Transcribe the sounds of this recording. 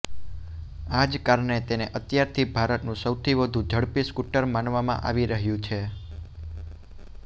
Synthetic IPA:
ad͡ʒkaɾɳet̪eneʔət̪jaɾt̪ʰibʱaɾət̪nũsəwt̪ʰiʋəd̪ʱũd͡ʒʱəɽpiskuʈəɾmanʋamã̰ʔaʋiɾəɦjũt͡ʃʰe

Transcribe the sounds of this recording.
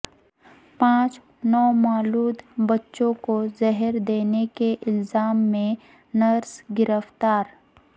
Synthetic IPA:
pãːt͡ʃ | nɔːmaːluːd̪bɐtːʃõkozɐɦəɾd̪eːnekeʔɪlzaːmːẽ | nɐɾsɡɪɾəft̪aːɾ

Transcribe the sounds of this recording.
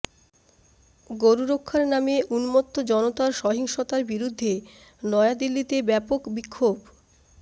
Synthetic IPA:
ɡoɾuɾokʰːaɾnameʔunmot̪ːod͡ʑɔnot̪aɾʃɔɦiŋʃot̪aɾbiɾud̪ʱːe | nɔead̪ilːit̪ebɛpokbikʰːob

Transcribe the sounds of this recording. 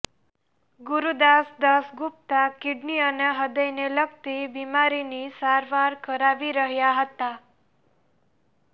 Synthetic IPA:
ɡuɾud̪asd̪asɡup̚t̪akiɖniəneɦəd̪əjnelək̚t̪ibimaɾinisaɾʋaɾkəɾaʋiɾəɦjaɦət̪a

